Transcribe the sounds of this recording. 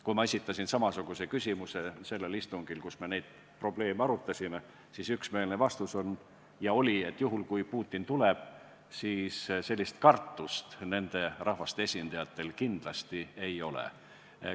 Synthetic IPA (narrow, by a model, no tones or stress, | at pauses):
kujmɑesʲit̪ːˑɑsʲinsɑmɑsuɡ̥usekysʲimuse̞se̞lːe̞list̪uŋɡ̥ilkusme̞ne̞jd̪̥̚ | pro̞ble̞ːmeɑɾut̪ːˑɑsʲime | sisyksmeːlnevɑst̪uso̞n | jɑo̞lʲie̞t̪ːjuɦulkujpuːt̪ʲːˑint̪uleb̥ | siːsse̞lʲːist̪kɑrt̪ːˑust̪ne̞nd̪̥e̞rʔɑhvɑst̪eesʲind̪̥ɑjɑt̪ːˑe̞lkind̪̥lɑst̪ie̞jo̞lḛ